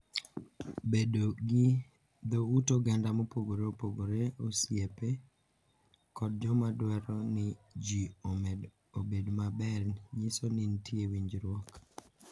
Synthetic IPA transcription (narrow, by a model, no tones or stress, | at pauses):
bedoɡɪ | d̪outoɡandamopoɡoɾeopoɡoɾeosjepe | kɔd̚d͡ʒɔmadwɛɾɔnɪd͡ʒiomɛd | obedmabɛɾnɲisonɪntjewiɲd͡ʒɾwɔk